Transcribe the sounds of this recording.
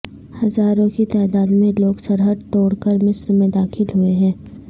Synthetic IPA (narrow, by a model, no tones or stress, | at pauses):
hɐzaːɾõkit̪aːd̪aːd̪mẽloːɡsɐɾɦəd̪̚t̪oːɽkəɾmɪsɾmẽd̪aːxɪlɦʊeɦɛ̃ː